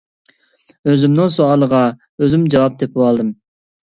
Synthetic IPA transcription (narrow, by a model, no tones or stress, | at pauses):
øzymnɨŋsoɑlˠəʁɑ | øzymd͡ʒɑwɑp̚d̪epʰɪwɑlˠd̪ɨm